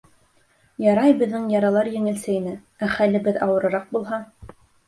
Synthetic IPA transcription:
jɑɾɑjbɘ̆ðːɘŋjɑɾɑlˠɑɾjɘ̆ŋɘ̆lsɘinɘ | æχælɘ̆bɘðɑwɤ̆ɾɤ̆ɾɑq̚bulˠɦɑ

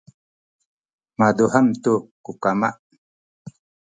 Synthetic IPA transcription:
mad̪uɦamt̪ukukama̰ʔ

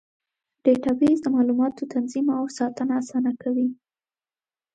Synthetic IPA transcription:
ɖ̥eʈabizd̪əmɑlumɑt̪ot̪ʰanzimaawsɑt̪ənaːsɑnakawi

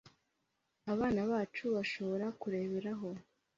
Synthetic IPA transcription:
aβaːnaβaːt͡ʃuβaʃo̞βo̞ɾakuɾe̞ːβeɾaɦo̞

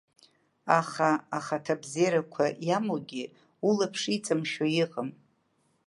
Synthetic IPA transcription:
aχaaχatʰabzeɾakʷʰajamoɡʲɪ | ulapʰʂit͡sʼamʃajɪqʼəm

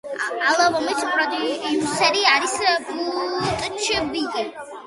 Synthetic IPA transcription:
alˠavɔmispʼɾɔd̪iusɛɾiaɾisbut̪ʼt͡ʃʰbikʼi

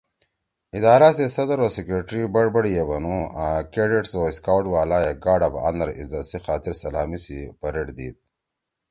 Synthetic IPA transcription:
id̪aːɾasesɐd̪ɐɾoːsikɾeʈɾibɐɽbɐɽjebɐnuakeɖeʈsoːiskawʈwaːlaːjeɡaːɖɐba̰nɐɾḭzasixaːt̪ɪɾsɐlaːmisipɐɾeʈd̪ḭːd̪̚

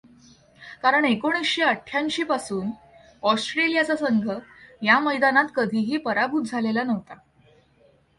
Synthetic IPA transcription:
kaɾəɳekoɽ̃isɕiəʈʰːjanɕiːpasuːn | ɔsʈɾelijat͡sasəŋɡʱəjaməjd̪anat̪kəd̪ʱiːɦiːpəɾabʱut̪̚d͡zʱalelanəʋt̪a

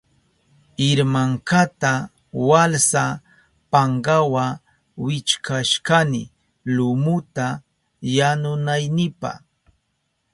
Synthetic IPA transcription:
ɪɾmaŋkat̪a | walsa | paɴɢawa | wɪt͡ʃkʰaʃkanɪ̰ | lʊmʊt̪a | janʊnajnɪpa̰

